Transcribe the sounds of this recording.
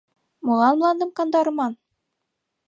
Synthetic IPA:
mŏlɑnmlˠɑnd̪ɤmkɑnd̪ɑɾɤ̆mɑn

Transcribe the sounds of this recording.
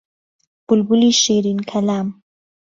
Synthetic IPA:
b̥ʊlbuliʃeɾinkʰalaːm

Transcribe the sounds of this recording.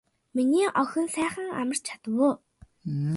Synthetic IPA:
miniːʔɔxʲɞ̆nsæːχə̆ŋa̰mə̆r̥t͡ɕʰḁt̪ə̆wʊː

